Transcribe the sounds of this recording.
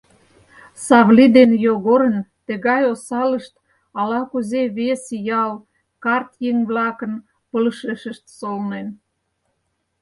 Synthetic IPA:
sɑβlid̪enjoɣoɾənt̪ĕɣɑjosɑlə̆ʃt̪ | ɑlɑkuzeβesjɑl | kɑrt̪jeŋβlɑkə̆n | pəlʃeʃə̆ʃt̪solnen

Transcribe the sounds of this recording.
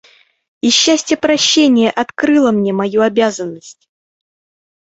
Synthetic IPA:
ɪɕːæsʲtʲjəpɾɐɕːenʲɪjəʔɐt̪kɾɨlˠəmnʲemɐjuɐbʲazənːəsʲtʲ

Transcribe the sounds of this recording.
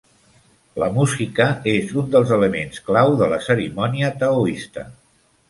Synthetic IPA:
ləmuzikəezund̪əlˠzələmḛnsklawðələsəɾimɔniət̪əuist̪ə̰

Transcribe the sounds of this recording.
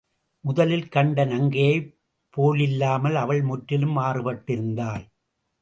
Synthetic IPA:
mʊðɐlɪlkɐɳɖɐnɐŋɡɐjɐɪ | pːoːlɪlːaːmɐlɐʋɐɭmʊʈɾɪlɯmʋaːrɯpɐʈːɪɾɯnd̪aːl

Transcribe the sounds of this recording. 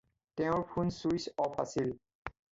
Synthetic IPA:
tɛ̃ʊ̃ɹpʰunsuisɔpʰa̰sil

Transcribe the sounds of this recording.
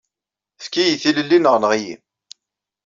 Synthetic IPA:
θkːijiθiləlːinəʁnəʁijḭm

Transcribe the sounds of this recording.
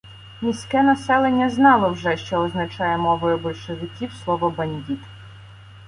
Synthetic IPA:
mʲisʲkɛnɐsɛlˠenʲːɐznɑlˠɔwʒɛʃt͡ʃɔːznɐt͡ʃɑjɛmɔʋɔjʊbɔlʲʃeʋɪkʲiwslˠɔʋɔbɐnʲdʲit̪

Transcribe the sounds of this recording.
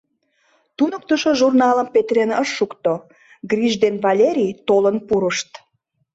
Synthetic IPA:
t̪unə̆k̚t̪əʃoʒurnɑləmpet̪ɾenəʃːukt̪o | ɡɾiʒd̪envɑlʲeɾʲijt̪olənpuɾəʃt̪

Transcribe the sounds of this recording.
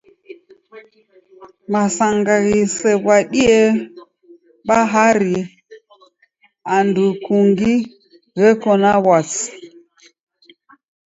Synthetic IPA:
masaŋɡaɣisɛβwaɗiɛ | ɓaɦaɾi | andukuŋɡi | ɣɛkɔnawas

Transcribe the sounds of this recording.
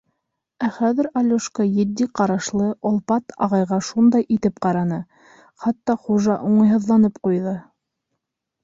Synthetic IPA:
æχæðɘ̆ɾɑlʲuʃkɑjɘ̆d̪ːiqɑɾɑʃlˠɤʔŏlˠpɑt̪ʰɑ̰ʁɑjʁɑʃund̪ɑjʔit̪ɘp̚qɑɾɑnɤ | χɑt̪ːɑχuʒɑʔuɴɑjɦɤ̆ðlˠɑnɤpqujðɤ

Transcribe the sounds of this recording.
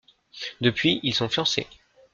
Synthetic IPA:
d̪əpɥiilsɔ̃fjɑ̃sḛ

